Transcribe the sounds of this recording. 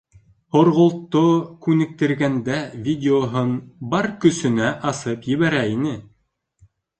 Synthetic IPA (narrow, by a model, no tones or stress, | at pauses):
hŏɾʁŏlˠt̪ːokʉnɘ̆k̚t̪ɘ̆ɾɡænd̪ævʲidʲɪoɦonbɑɾkɵ̆sɵ̆næʔɑsɤpjɘ̆βæɾæinɘ